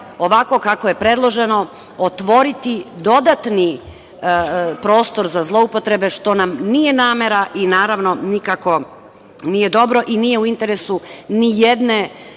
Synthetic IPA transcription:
o̞ʋako̞kakoje̞pɾe̞d̪lˠo̞ʒe̞no̞ | ot̪ʋo̞ɾit̪id̪o̞d̪at̪ni | pɾo̞ːst̪o̞ɾzazlˠo̞upo̞t̪ɾe̞be̞ʃt̪o̞namnije̞naːme̞ɾaʔinaːɾaʋno̞nikako̞ | nije̞d̪o̞bɾo̞ʔinije̞uint̪e̞ɾesunijed̪ne̞

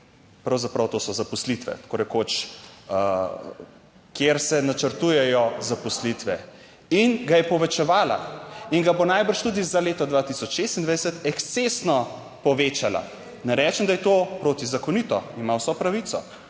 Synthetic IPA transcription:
pɾawzapɾawt̪oːsɔzapɔslit̪ʋɛ̰t̪koɾɛkoːt͡ʃ | kjeɾsɛnat͡ʃəɾt̪ujɛjɔzapɔslit̪ʋɛ | inɡajɛpɔʋɛt͡ʃɛʋaːla̰iŋɡabonajbəɾʃt̪uːd̪izaleːt̪ɔd̪ʋat̪isɔt͡ʃʃest̪ind̪ʋajd̪ɛsɛt̪ɛkst̪sesnɔ | pɔʋeːt͡ʃala̰ | nɛɾɛːt͡ʃɛmd̪ajɛt̪oːpɾoːt̪izakɔnit̪ɔimawsɔpɾaʋit̪sɔ

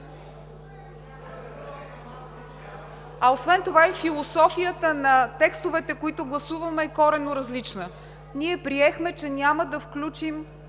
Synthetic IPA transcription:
ɐosvɛnt̪ovaɛfilˠosɔfijət̪ənɐt̪ɛkst̪ovɛt̪ɛkoit̪ʊɡlˠɐsuvɐmɛːkɔɾɛnoɾɐzlit͡ʃnə | niɛpɾiɛxmɛt͡ʃɛnʲaməd̪ɐfklʲut͡ʃim

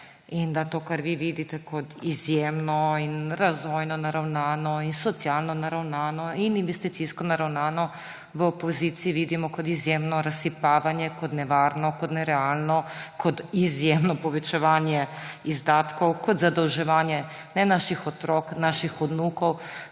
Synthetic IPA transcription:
ind̪at̪oːkaɾʋiʋid̪it̪ɛkɔt̪izjeːmnɔinɾazʋɔjnɔnaɾawnaːnɔinsɔt̪sialnɔnaɾawnaːnɔininʋɛst̪it̪siskɔnaɾawnaːnɔ | ʋəopɔziːt̪siiʋid̪imɔkɔt̪izjemnɔɾasːipaːʋanjɛkɔt̪nɛʋaːɾnɔkɔt̪nɛɾɛaːlnɔkɔt̪izjeːmnɔpɔʋɛt͡ʃɛʋaːnjɛizd̪aːt̪kɔwkɔd̪zad̪ɔwʒɛʋaːnjɛ | nɛnaʃixɔt̪ɾoknaʃixɔd̪nuːkɔw

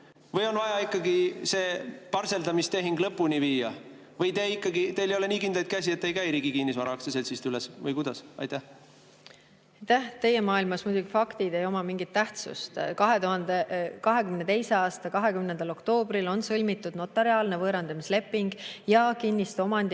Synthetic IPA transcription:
vɤjo̞nvɑjɑikˑːɑɡise̞ːpɑrse̞ld̪ɑmist̪e̞ɦiŋɡlɤpːˑunʲiviːjɑ | vɤjt̪eikːˑɑɡit̪e̞jlejole̞niːkind̪lɑlt̪̚ˑkæsie̞t̪ːe̞jkæjɾiːɡikinːis̬vɑɾɑɑkseselsist̪ylɛsvɤjkud̪̥ɑsɑ̰jt̪æh | ɑjt̪æht̪e̞je̞mɑːilmɑsmud̪ʲuɡ̥ifɑkt̪id̪̥e̞jo̞mɑmiŋɡ̥it̪ːæht̪sṵst̪kɑɦe̞t̪uɦɑnd̪ekɑɦe̞kymnet̪e̞jse̞ɑːst̪ɑkɑɦe̞kymnend̪ɑlo̞kt̪o̞ːb̥rilo̞nsɤlʲmit̪ːˑud̪̥no̞t̪ːˑɑɾiɑːlne̞vɤːɾɑnd̪ɑmisle̞pːˑiŋɡ̥jɑkinʲːist̪o̞mɑnd̪

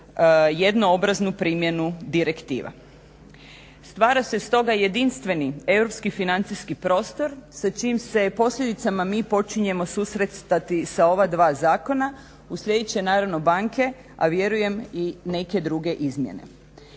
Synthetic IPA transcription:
je̞d̪no̞obɾaznupɾiːmje̞nud̪iɾe̞kt̪ḭːʋa̰ | st̪ʋaːɾase̞st̪o̞ɡaje̞d̪inst̪ʋe̞nie̞wɾo̞pskifinant̪siskipɾo̞ːst̪o̞ɾsat͡ʃiːmse̞po̞sʎʲed̪it̪samamiːpo̞t͡ʃiɲe̞mo̞susɾet̪st̪at̪isao̞ʋad̪ʋaːzaːko̞na | usʎʲe̞d̪et͡ɕenaːɾaʋno̞baŋkʰe̞ | a̰ʋje̞ɾuje̞mine̞ke̞d̪ɾuɡe̞ʔizmjḛne̞̰

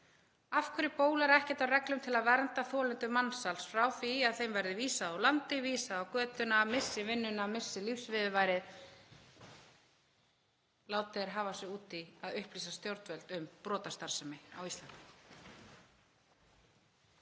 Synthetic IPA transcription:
afkʰvɛɾɪpoːwlaɾɛhcɛt̪awrɛklʏmt̪ʰɪlaðvɛɾnt̪aθɔːlɛnt̪ʏmansalsfɾawfiaðθejmvɛjɾðɪviːsaðawlant̪ɪviːsaðawkœːt̪ʏnamɪ̥sːɪvɪnːʏnamɪ̥sːɪlifsvɪðʏvajɾɪð | laːwt̪ɛɪɾɦaːvasɛuːt̪iaðʏhpliːsast̪jowɾt̪vɛlt̪ʏmpɾɔːt̪ast̪aɾ̥sɛmɪawist̪lant̪ɪ

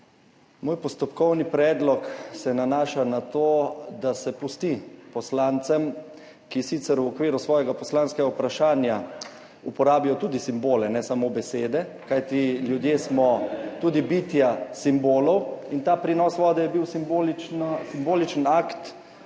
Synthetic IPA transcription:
moːjpɔst̪ɔpkɔwnipɾɛːd̪lɔksɛnanaːʃanat̪od̪asɛpust̪ipɔslaːnt̪sɛm | kisiːt̪sɛɾwɔkʋiːɾusʋɔːjɛɡapɔslanskɛɡaupɾaʃaːnja | upɔɾaːbijɔt̪ud̪isimboːlɛnɛsamobɛseːd̪ɛ | kajt̪iljud̪jeːsmɔt̪uːd̪ibiːt̪jasimboːlɔwint̪aːpɾinɔsʋɔːd̪ɛjɛbiwsimbolit͡ʃnsimboːlit͡ʃənakt̪

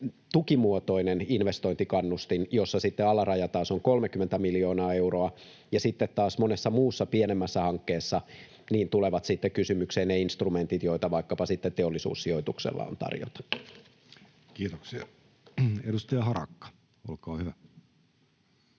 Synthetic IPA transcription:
t̪ukimuot̪o̞ineninʋest̪oint̪ikɑnːust̪injosːɑsit̪ːeɑlɑrɑjɑt̪ɑːsoŋkolmekymːent̪æmiljoːnɑːe̞uro̞ɑ | jɑsit̪ːet̪tɑːsmonesːɑmuːsːɑpienemːæsːæhɑŋkːeːsːɑ | niːnt̪uleʋɑt̪sit̪ːekysymykseːnneinst̪rument̪it̪jo̞it̪ɑʋɑikːɑpɑsit̪ːet̪t̪eolːisṵːsːioit̪uksḛlːɑ̰o̰nt̪ɑ̰rjo̰t̪ɑ̥nːu̥ | kiːt̪oksiɑ | edust̪ɑjɑhɑrɑ̰kːɑ̥ | olkɑːhyʋæ

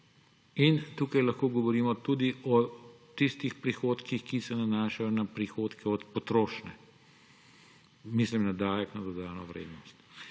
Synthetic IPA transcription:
int̪uːkajlɐxkoːɡɔʋɔɾiːmɔt̪ud̪iʔɔ | t̪ist̪ixpɾixoːt̪kixkisɛnanaːʃajɔnapɾixoːt̪kɛɔt̪pɔt̪ɾoːʃnɛ | mislimnad̪aːjɛknɐd̪ɔd̪aːnɔʋɾḛːd̪nɔst̪

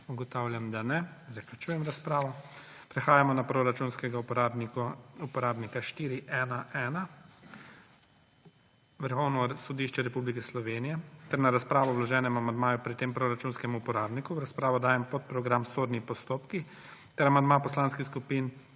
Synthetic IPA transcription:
uɡɔt̪awljamd̪anɛzaklʲut͡ʃuːjɛmɾaspɾaːʋɔ | pɾɛxaːjamɔnapɾoɾat͡ʃuːnskɛɡaabnikɔupɔɾaːbnikaʃt̪iːɾiʔɛːnaʔɛːna | ʋəɾxɔwnɔsɔd̪iʃt͡ʃɛɾɛpublikɛslɔʋeːnijɛt̪ɛɾnaɾaspɾaːʋɔwlɔʒɛːnɛmamand̪maːjupɾit̪empɾoɾat͡ʃuːnskɛmuːpɔɾaːbnikuɾaspɾaːʋɔd̪aːjɛmpɔt̪̚pɾɔɡɾamsoːɾnipɔst̪oːpki | t̪ɛɾamand̪mapɔslanskixskupin

